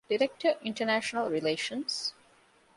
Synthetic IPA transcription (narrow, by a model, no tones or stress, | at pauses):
ɖ̥iɾek̚ʈʰəɪ̃nʈənæʃənəlˠɹileːʃə̃ns